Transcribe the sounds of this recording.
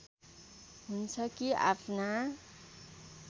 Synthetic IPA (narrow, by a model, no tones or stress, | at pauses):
ɦunt͡sʰʌkia̰pʰna